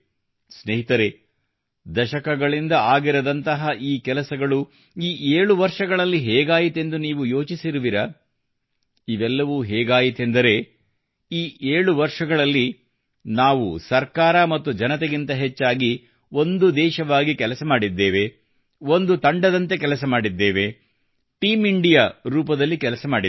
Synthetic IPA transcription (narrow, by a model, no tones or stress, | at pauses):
sneɦit̪ɐɾe | d̪ɐʃɐkɐɡɐɭind̪ɐaːɡiɾɐd̪ɐnt̪ɐɦɐʔiːkɛlɐsɐɡɐɭu | iːʔeːɭuʋɐɾʂɐɡɐɭɐlːiɦɛːɡaːjit̪e̞nd̪uniːʋujo̞ːt͡ʃisiɾuʋiɾɐ | iʋɛlːɐʋuːɦɛːɡaːjit̪end̪ɐɾe̞ | iːʔeːɭuʋɐɾʂɐɡɐɭɐlːi | naːʋusɐɾkaːɾɐmɐt̪ːud͡ʒɐnɐt̪eɡint̪ɐɦet͡ʃːaːɡi | o̞nd̪ud̪ɛːʃɐʋaːɡikɛlɐsɐmaːɽid̪ːeːʋe̞ | o̞nd̪ut̪ɐɳɖɐd̪ɐnt̪e̞k̬ɛlɐsɐmaːɽid̪ːeːʋe̞ | ʈiːmiɳɖijaɾuːpɐd̪ɐlːikɛlɐsɐmaːɽi